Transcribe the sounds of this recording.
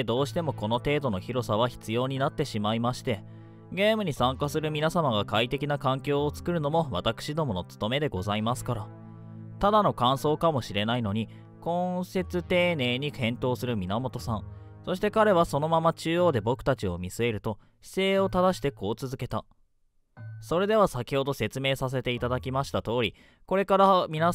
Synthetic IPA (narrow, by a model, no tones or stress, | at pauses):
d̪o̞ːɕi̥t̪e̞mo̞ko̞no̞t̪e̞ːd̪o̞no̞çiɾo̞saβ̞açi̥t͡sɨjo̞ːɲ̟inat̪ːe̞ɕimaimaɕi̥t̪e̞ | ɡe̞ːmɯ̟ɲ̟isãŋkasɨɾɯ̟mʲinasamaɡakait̪e̞kʲinakãŋkʲo̞ːt͡sɨ̥kɯ̟ɾɯ̟no̞mo̞βat̪akɯ̥ɕid̪o̞mo̞no̞t͡sɨ̥t̪o̞me̞d̪e̞ɡo̞zaimasɨ̥kaɾa | t̪ad̪ano̞kãɰ̃so̞ːkamo̞ɕiɾe̞naino̞ɲ̟i | kõ̞se̞t͡sɨt̪e̞ːne̞ːɲ̟ikẽ̞nt̪o̞ːsɨɾɯ̟mʲinamo̞t̪o̞sãɴ̃ | so̞ɕi̥t̪e̞kaɾe̞βaso̞no̞mamat͡ɕɨːo̞ːd̪e̞bo̞kɯ̟̥at͡ɕio̞̰mʲisɨe̞ɾɯ̟t̪o̞ | ɕi̥se̞ːo̞t̪ad̪aɕi̥t̪e̞ko̞ːt͡sɨzɨke̞t̪a | so̞ɾe̞d̪e̞βasakʲi̥ho̞d̪o̞se̞t͡sɨme̞ːsas̬e̞t̪e̞it̪ad̪akʲimaɕi̥t̪at̪o̞ːɾʲi | ko̞ɾe̞kaɾamʲina